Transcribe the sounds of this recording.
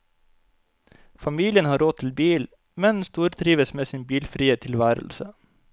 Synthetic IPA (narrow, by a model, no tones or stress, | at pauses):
fɑmiːlɪənhɑːɾoːt̪ʰɪl̩biːl | mɛnst̪uːɾt̪ʰɾiːʋəsmeːsɪːnbiːlfɾiːət̪ʰɪlʋæːɾə̰lsə